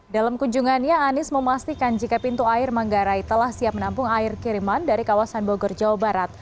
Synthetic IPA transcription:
dalamkuɲd͡ʒuŋanɲaːnɪsməmast̪ikand͡ʒikapint̪uaɪrmaŋɡaɾait̪əlahsiap̚mənampʊŋaɪrkiɾimandaɾikawasanboɡɔrd͡ʒawabaɾat̪̚

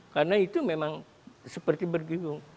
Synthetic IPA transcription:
karnait̪umemaŋ | səpərt̪ibərɡiɡʊŋ

